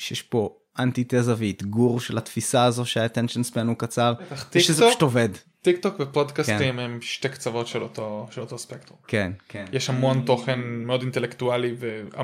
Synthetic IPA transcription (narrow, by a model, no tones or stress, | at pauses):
ʃejɛʃpo̞ | ʔant̪it̪ezaveit̪ɡuʁʃelat̪fisaːzo̞ʃeat̪enʃensbenukat͡saʁaχt̪ʃezʃtoved | t̪ikt̪okvepodkasimemʃtekt͡savo̞tʃelot̪oʃelot̪ospekt̪ʁumkenkjɛʃhamont̪o̞χenmeo̞dintelekt̪ualivea̰